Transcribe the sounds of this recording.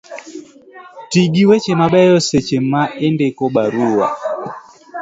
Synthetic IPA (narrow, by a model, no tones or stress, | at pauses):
tiɡiwet͡ʃemabɛjɔset͡ʃemaendekobaɾuwa̰